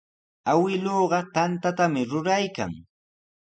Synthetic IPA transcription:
awɪloːɢɑt̪ant̪at̪amɪɾʊɾajka̰ŋ

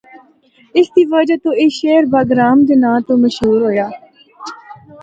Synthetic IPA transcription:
ɪsd̪iːʋəd͡ʒat̪õːɪʃeːɾbaːɡɾaːmd͡ʒenãːt̪õːməʃɦuːɾɦoːjaː

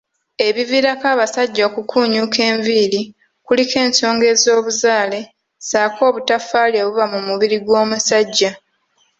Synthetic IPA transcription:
e̞βiviɾakaːβasaɟːakukʰuːɲuke̞ːɱviɾi | kulike̞ːnso̞ːŋɡe̞ːzo̞ːβuzaːle̞ | saːkʰo̞ːβutafaːljeβuβamumuβiɾiɡwo̞ːmusaɟːa

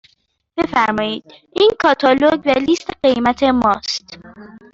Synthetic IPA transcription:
b̥e̞fæɾmɒːjiːd̪̥̚ | ʔiːnkʰɒːt̪ʰɒloɟvælist̪eɢe̞jmæt̪ʰemɒːst̪

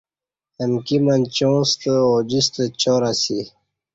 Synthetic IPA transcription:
ənkimənt͡ɕõːst̪əod͡ʑist̪ət͡ɕoːɾasi

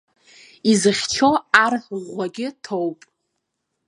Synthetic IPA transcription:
izɨχʲt͡ʃʰo̞arħʁʷaɡʲɪtʰowpʼ

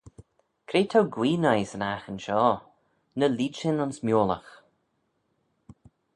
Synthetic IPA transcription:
kʰɾeːt̪ʰawɡwiːnajsənaxənʃɔː | nəliːt͡ʃɪnʊnsmjoːlə̰x

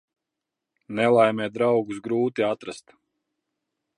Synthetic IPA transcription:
nɛlˠajmʲɛːd̪ɾawɡus̬ɡɾuːt̪iat̪ɾast̪

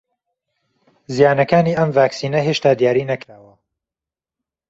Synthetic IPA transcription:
zijaːnɐkaːniːɐmvaːksiːnɐɦeːʃt̪aːd̪ijaːɾiːnɐkɾaːwɐ

